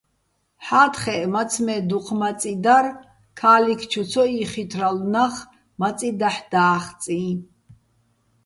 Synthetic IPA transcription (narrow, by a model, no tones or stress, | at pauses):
ħaːt̪χɛmat͡sʰmɛd̪uqʰmat͡sʼid̪aɾ | kʰaːlikʰt͡ʃʰut͡sʰɔiχit̪ʰɾalnaχ | mat͡sʼid̪aħd̪̥aːχt͡sʼi